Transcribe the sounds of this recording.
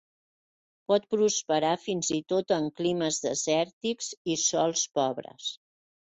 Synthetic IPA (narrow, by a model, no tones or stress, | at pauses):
pɔt̪̚pɾuspəɾafinzit̪ot̪əŋkliməzðə̰zɛɾt̪ikzisɔlˠspɔβɾə̰s